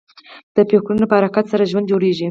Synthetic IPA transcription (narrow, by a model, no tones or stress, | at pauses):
d̪̥əpexklunopəhaɾakat̪saɾaʒwand̪d͡ʒoɾeʒi